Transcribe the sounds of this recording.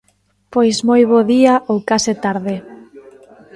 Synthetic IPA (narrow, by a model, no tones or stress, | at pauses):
pojsmojβ̞oðiaʔowkaset̪aɾðe